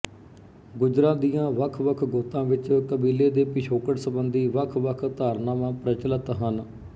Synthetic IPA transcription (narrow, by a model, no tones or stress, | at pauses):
ɡʊd͡ʒɾãːd̪ijãːʋəkʰʋəkʰɡoːt̪ːãːʋɪt͡ʃkəbiːleːd̪eːpɪʃʰoːkəʈsəbənd̪iːʋəkʰʋəkʰt̪aːɾnaːmãːpɾət͡ʃələt̪ɦən